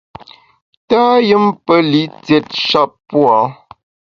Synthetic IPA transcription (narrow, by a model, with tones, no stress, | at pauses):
taː˦jə˦mpə˦li˨˦t͡sɛ˨t̚ʃa˦˨p̚pwɔ˨˦